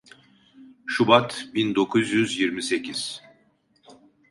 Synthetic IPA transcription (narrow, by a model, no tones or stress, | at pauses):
ʃubat̪bind̪o̞kʰuzjyzjiɾmise̞cʰiz̥